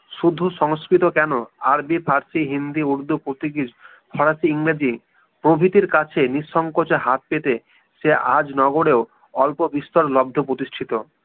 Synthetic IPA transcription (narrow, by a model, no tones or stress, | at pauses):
ʃud̪ʱːoʃɔŋskɾit̪okɛnoaɾbipʰaɾsiɦind̪iuɾd̪upɾot̪iɡid͡ʑ | pʰɔɽasiiŋɾed͡ʑi | pɾobʱit̪iɾkat͡ɕʰeniʃɔŋkot͡ɕeɦat̪̚pet̪e | ʃeʔad͡ʑnɔɡoɽeo | ɔlpobist̪ɔɾlɔb̚d̪ʱopɾot̪isʈʰit̪o